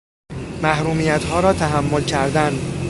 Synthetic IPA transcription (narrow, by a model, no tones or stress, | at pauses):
mæhɾuːmiːjæt̪hɒːɾɒːt̪ʰæɦæmːo̞lcʰæɾd̪æn